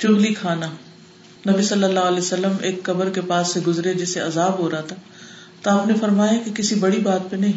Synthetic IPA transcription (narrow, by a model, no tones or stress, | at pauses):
t͡ʃʊ̃blikʰaːna | nɐbisɐlːəlːaːɦəlesəlːəmeːkːɐbəɾkepaːsːeɡʊzɾed͡ʒɛːseɐzaːbɦoːɾaɦat̪ʰaː | t̪oɦɐmnefɐɾmaːjakekɪsibɐɽibaːt̪̚penɐɦĩ